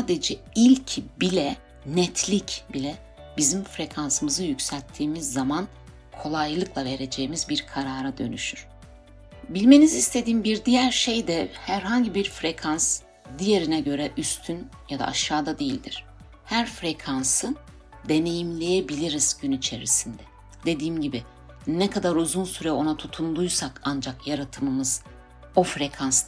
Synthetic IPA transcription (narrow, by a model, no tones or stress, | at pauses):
aːd̪e̞d͡ʒɛilʲcʰbilʲɛ | nɛt̪ʰlʲicbilʲɛ | bizimfɾe̞kʰansɯmɯzɯjycsælʲt̪ʰːiːmizːaman | kʰo̞lˠajlˠɯkʰlˠave̞ɾe̞d͡ʒe̞jimizbiɾkʰaɾaːɾad̪ø̞̰nyʃyɾ̥ | bilʲme̞nizist̪ʰe̞d̪iːmbiɾd̪ijæɾʃe̞jd̪ɛhæɾɦaɲɟibiɾfɾe̞kʰans | d̪ije̞ɾinɛɟø̞ɾɛʔyst̪ʰynjad̪a̰ʔaʃːaːd̪ad̪e̞jilʲd̪iɾ̥ | hæɾfɾekʰansɯ | d̪e̞ne̞jimlʲe̞jebilʲiɾiz̥ɟynit͡ʃʰe̞ɾisind̪ɛ | d̪̥e̞d̪iːmɟibi | nɛkʰad̪aɾuzunsyɾɛo̞nat̪ʰut̪ʰund̪ujsakand͡ʒakjaɾat̪ʰɯmɯmɯz̥ | o̞fɾe̞kʰans